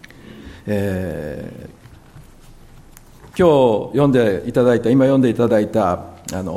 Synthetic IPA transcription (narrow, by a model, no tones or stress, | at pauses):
eː | kʲo̞ːjõ̞nd̪eit̪ad̪ait̪aimajõnd̪eit̪ad̪ait̪aano̞̰